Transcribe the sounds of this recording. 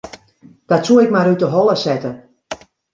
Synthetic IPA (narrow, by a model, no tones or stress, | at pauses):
d̥ɔtsuəɪkmaɾytəɦɔlˠəsɛtə